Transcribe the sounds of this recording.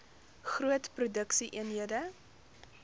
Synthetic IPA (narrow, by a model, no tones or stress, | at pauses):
χruətprudəksiʔiənɦiədə